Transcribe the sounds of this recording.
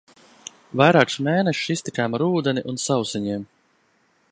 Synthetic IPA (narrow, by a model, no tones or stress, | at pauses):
vajɾaːksmeːnɛʃist̪ikaːmaɾuːd̪ɛniʔunsawsiɲiɛm